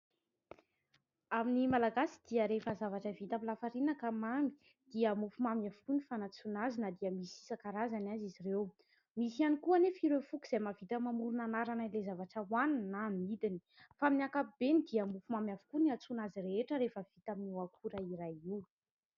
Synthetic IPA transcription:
aminimalaɡasi̥d̪̥iəɾefəzavaʈ͡ʂəvit̪amilafaɾinəkamambi̥ | d̪̥iəmufumamiavukunifanat͡sunazinəd̪iəmisi̥sakaɾazanazizirew | misianikuanefiɾefukiz̥ajmavit̪əmamuɾunanaɾanailezavaʈ͡ʂəwaninamid̪ini̥ | faminiakaibenid̪iəmufumamiavu̥kuniat͡sunazireeʈ͡ʂəɾefəv̥it̪aminuakʰuɾaiɾajiw

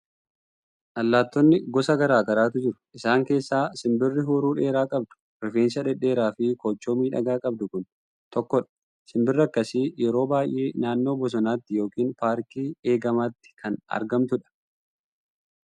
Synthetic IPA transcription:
ʔɐlːaːt̪ːɔnːɪɡɔsɐɡɐɾaːɡɐɾaːt̪̬ʊd͡ʒɪɾʊ̥ʔɪsaːŋke̞ːsːaːsɪmbɪrːɪɦuːɾuːᶑe̞ːɾaːkʼɐbd̪ʊ̥ | ɾɪfeːnsɐᶑɛᶑe̞ːɾaːfɪkoːt͡ʃːo̞ːmiːᶑɐ̰ɡaːkʼɐb̚d̪ʊkʊn | t̪ɔkːɔᶑɐ̥ | sɪmbɪrːɐkːɐsɪjɛɾo̞ːbaːjʔe̞ːnaːnːo̞ːbɔs̬ɔnaːt̪ːɪjo̞ːkiːnpaːɾkiːe̞ːɡɐmaːt̪ːɪ̥kʰɐnɐ̰ɾɡɐmt̪ʊᶑɐ̥

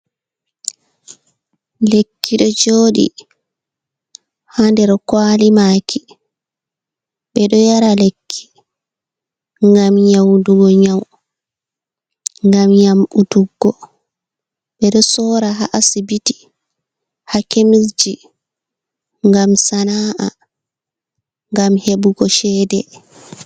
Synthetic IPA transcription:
lekʰːiɗɔd͡ʒoːɗḭ | handɛɾkwaːlimaːkʰi | ɓɛɗɔjaɾalekʰːi̥ | ŋɡamɲawduɡɔɲaw | ŋɡamɲamutuɡːɔ | ɓɛɗɔsɔːɾaɦaʔasibiti̥ | hakemisd͡ʒi | ŋɡamsanaːʔa | ŋɡamhebuɡɔʃɛːdɛ

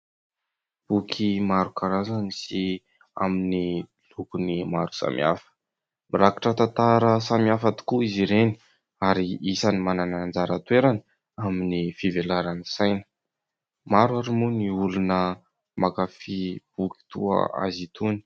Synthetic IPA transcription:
b̥ukʰimaɾukaɾazanisi | a̰mini | lukunimaɾu̥sa̰mʔia̰fə̥ | miɾakḁʈ͡ʂət̪at̪aɾəsamiafat̪i̥kuiziɾeni̥ | aɾiisanimananand͡zaɾat̪weɾani | aminifivelaɾanisajnə̥ | maɾwaɾimuniulunə | makafib̥uki̥t̪uə̰a̰zit̪uni̥

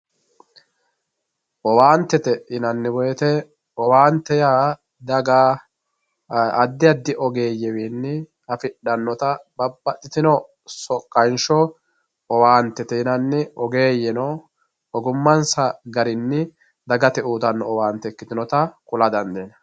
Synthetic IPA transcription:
ʔɔwaːnt̪ːɛt̪ɛɪnɐnːɪwɔjɛt̪ɛ | ɔwaːnt̪ːɛjaː | d̪ɐɡaː | ɐd̪ːɪɐd̪ːɪʔɔɡeːjɛwinːɪ | ɐfɪᶑɐnːɔt̪ɐbɐbːɐt̪ʼːɪt̪ɪnɔ | sɔkʼːɐjnʃɔ | ɔwaːnt̪ːɛt̪ɛɪnɐnːɛʔɔɡeːjɛnɔ | ɔɡʊmːɐnsɐɡɐɾɪnːɪ | d̪ɐɡɐt̪ɛuːt̪ɐnːɔɔwaːnt̪ːɛkːɪt̪ɪnɔt̪ɐkʼʊlɐd̪ɐnd̪eːnɐ

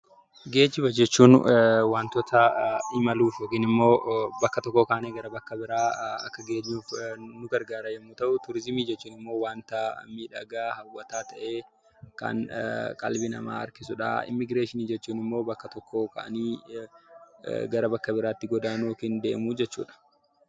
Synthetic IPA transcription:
ɡe̞ːd͡ʒːɪbɐd͡ʒɛt͡ʃːuːnwaːnt̪ɔt̪ʰɐɪmɐluːfjoːkiːnɪmːo̞ːbɐkːɐt̪ɔkːoːkaʔneːɡɐɾɐbɐkːɐbɪɾaːɐ̰kːɐɡe̞ːɲːuːfnʊɡɐɾɡaːɾɐjɛmːʊt̪ɐʔʊt̪ʊɾɪzɪmiːd͡ʒɛt͡ʃːuːnɪmːo̞ːwaːnt̪ɐ̰miːᶑɐɡaːhɐwːɐt̪aːt̪ɐʔeː | kɐ̰nkʼɐ̰lbɪnɐ̰ma̰ːɐ̰ɾkɪsʊᶑɐ̰ɪ̰mːɪɡɾeːʃɪniːd͡ʒɛt͡ʃːuːnɪmːo̞ːbɐkːɐt̪ɔkːoːkɐ̰ʔɐ̰niː | ɡɐɾɐbɐkːɐbɪɾaːt̪ːɪɡɔd̪aːnoːkiːnd̪ḛːmʊd͡ʒɛt͡ʃːṵːᶑɐ̥

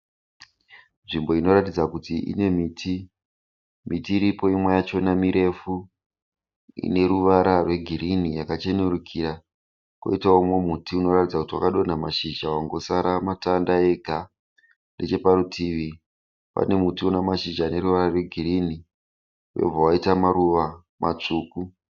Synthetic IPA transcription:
nʐimbo̞ino̞ɾatid͡zakutiʔḭne̞miːtʰi | mitiːɾipo̞imwejat͡ʃo̞namiɾe̞fu | ḭne̞ɾuʋaɾarwe̞ɡʱirinijakat͡ʃe̞neɾukʰiɾa | kwo̰itaomomutiuno̞ratid͡zakutiwa̰kaɗo̞n̤amaʃiʒawaŋɡo̞saɾamatandae̞ɡʱa | nde̞t͡ʃe̞paɾutʰiʋi | pa̰ne̞mutionamaʃiʒaːne̞ɾuʋaɾarwe̞ɡʱiɾini | ujḛb͡vʱawaitamaɾuʋa | mʔat͡ʂuːku

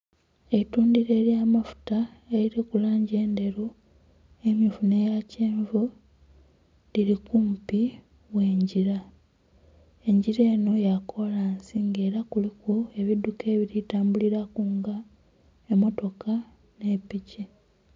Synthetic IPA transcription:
etuːndiɾe̞ːɾjaːmafu̥tae̞ɾiɾikulaːɲɟe̞ːnde̞ɾu | e̞mjifunejaceːɱvo | liɾikumpi | we̞ːɲɟiɾa | e̞ɲɟiɾe̞ːno̞jakʰo̞laːnsiŋɡe̞ːɾakulikue̞βiduke̞ːβiɾitaːmbuliɾakuŋɡa | emo̞to̞ka | ne̞pici

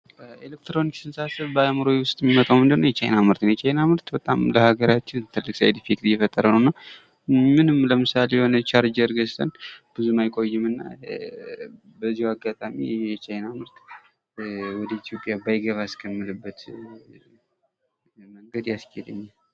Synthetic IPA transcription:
elek̚t̪ɾo̞niksɨnsasɨβbəamɨɾojwʊst̪ʼjɛmimət̪ʼawmɨnd̪ənːowjɛt͡ʃʰajnamɨɾt̪ɨnjɛt͡ʃʰajnamɨɾt̪bət̪ʼa̰mləhaɡəɾat͡ʃːɪnt̪ʰɨlːɨkʼsa̰jd̪ifikʼɾjɛfət̪ʼːəɾənəwnːa | mɨnɨmləmɨsalejɛho̞nət͡ʃʰaɾd͡ʒəɾɡəst̪ʰənb̥ɨzumajkʼo̞jːɨmɨnːa̰ | bəzːihwaɡːat̪ʼamḭjɛt͡ʃajnamɨɾt̪ | wɔd̪əit̪ʰjo̞pʼjabajɡəβaskʰəmːɨlɨbːət̪ | məŋɡəd̪jaskʰɛd̪ɨɲːa

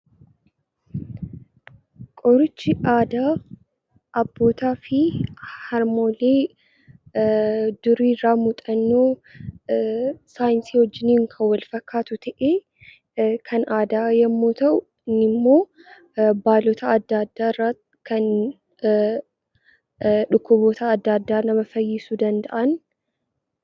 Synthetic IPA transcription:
kʼɔɾʊt͡ʃːɪʔaːd̪aː | ʔɐbːo̞ːt̪aːfɪhɐɾmo̞ːle̞ː | d̪̥ʊɾiːrːaːmʊt̪ʼɐnːoː | saːjɪnsiːhɔd͡ʒːɪniːŋkʰɐwɐlfɐkːaːt̪ʊt̪ʰɐʔeː | kʰɐnaːd̪aːjɐmːoːt̪ɐʔʊ | ɪnːɪmːo̞ː | baːlɔt̪ʰɐːd̪ːad̪ːaːɪrːaː | kɐn | ᶑʊkːʊboːt̪ɐːd̪ːaːd̪ːaːnɐmɐfɐjːɪsud̪ɐnd̪ɐʔɐn

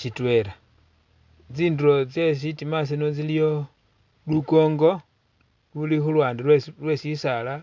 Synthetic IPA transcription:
ʃitwe̞ɾa | t͡siːnduɾo̞t͡ses̬itimas̬inot͡silijo | luko̞ːŋɡo̞ | lulixulwaːndiwelwe̞sisala

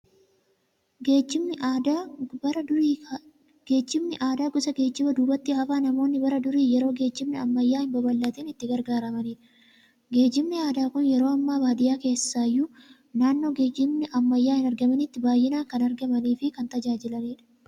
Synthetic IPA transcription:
ɡeːd͡ʒɪ | bɐɐ | ɡeːd͡ʒːɪmnɪʔaːd̪aːɡʊsɐɡe̞ːd͡ʒːɪbɐd̪uːbɐt̪ːɪhɐfaːnɐmo̞ːnːɪbɐɾɐd̪ʊɾiːjɛɾo̞ːɡe̞ːd͡ʒːɪmnɪɐmːɐjːaːhɪmbɐbɐlːɐt̪ɛːnɪt̪ːɪɡɐɾɡaːɾɐmɐniːᶑɐ̥ | ɡe̞ːd͡ʒːɪmnɪaːd̪aːkʊnjɛɾo̞ːɐmːaːbaːd̪ɪjaːke̞ːsːaːjʊ | naːnːo̞ːɡeːd͡ʒɪmnɪʔɐmːɐjːaːhɪnɐɾɡɐmɐnɪt̪ːɪbaːjːɪnaːkɐnɐɾɡɐmɐniːfɪkɐnt̪ɐd͡ʒaːd͡ʒɪlɐniːᶑɐ̥

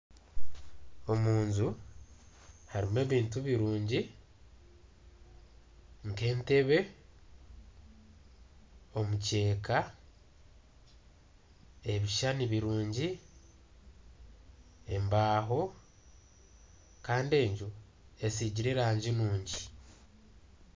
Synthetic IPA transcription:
o̞muːɲzu | haɾime̞ːβiːntuβiɾuːɲɟi | ŋke̞ːnte̞βe̞ | o̞muce̞ːka | e̞βiʃaniβiɾuːɲɟi | e̞mbaːɦo̞ | kaːnde̞ːɲd͡ʒu | e̞siɟiɾeɾaːɲɟinuːɲɟi

